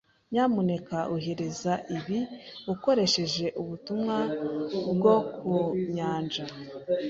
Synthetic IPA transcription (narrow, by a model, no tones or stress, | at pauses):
ɲaːmune̞kaʔuɦe̞ɾe̞zaʔiβiuko̞ɾe̞ʃe̞ʒe̞ʔuβutumŋabɡo̞kʰuɲaːnd͡ʒa